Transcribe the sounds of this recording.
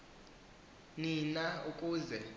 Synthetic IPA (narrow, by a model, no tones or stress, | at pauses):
ninaukʼuːzɛ